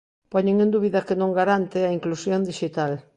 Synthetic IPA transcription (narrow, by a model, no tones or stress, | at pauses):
pɔɲeŋẽnd̪uβiðɐkenõŋɡaɾant̪ɪɐiŋklusjond̪iʃit̪al